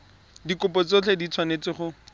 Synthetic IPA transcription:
dikʊpɔt͡sot͡ɬʰedit͡sʰwanet͡sɪχʊ

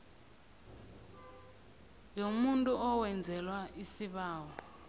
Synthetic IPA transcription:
jomuntʼuʔɔwɛnd͡zʱɛlwaʔisiɓaːwɔ

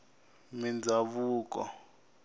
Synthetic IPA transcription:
mind͡zʱaβuːk̬ʼɔ̰

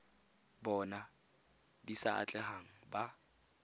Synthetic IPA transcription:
bɔna | disaa̰t͡ɬʼɛhaŋ̩ba

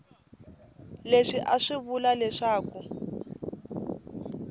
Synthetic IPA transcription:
leʂiʔaʂiβulalɛʂaːku

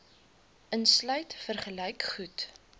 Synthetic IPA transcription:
ʔənslœɥtfərχəlɛjkχut

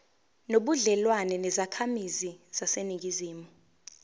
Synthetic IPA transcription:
noɓuɮɛlwanɛnɛzakʰamiziz̥aseniŋɡʱiziːmu

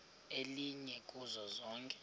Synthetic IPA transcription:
eliɲɛkʼuzɔzɔːŋkʼɛ̥

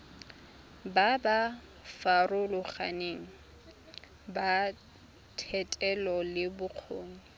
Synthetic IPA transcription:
baba | farʊlʊχa̰neːŋ̩ | ba | tʰɛtʼɛlɔlɪbʊq͡χʰoːŋ̩

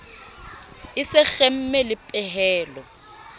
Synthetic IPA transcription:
ɪsɪɣɛm̩mɛlɪpʼɛɦɛːlɔ

